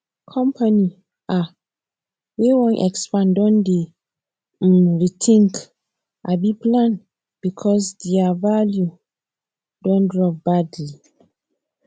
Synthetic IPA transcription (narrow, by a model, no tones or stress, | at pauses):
kʰɔ̃mpʰani | a | wewɔ̃nʔɛ̰kspãndɔ̃nde | ɹitʰĩŋk | ʔabiplãn | b̥ikʰɔsdiavalju | dɔ̃ndɹɔvbadli